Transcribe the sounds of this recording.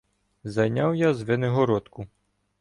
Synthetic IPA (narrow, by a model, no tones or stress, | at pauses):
zɐjnʲawjazʋeneɦɔɾɔt̪kʊ